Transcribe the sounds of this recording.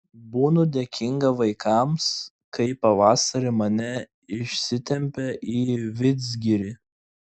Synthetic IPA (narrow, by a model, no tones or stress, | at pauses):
buːnʊd̪ʲekʲɪŋɡɐʋɐɪkʰɑms | kɐɪpɐʋɑːsɐɾʲɪmɐnʲɛ | ɪʃʲsʲɪt̪ʲɛmʲpʲɛʔiːʋʲɪd̪zʲɡʲɪɾʲi